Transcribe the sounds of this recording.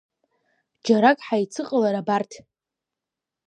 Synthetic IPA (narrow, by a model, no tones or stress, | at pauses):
d͡ʒaɾakʼħajt͡sʰɨqʼəlaɾabartʰ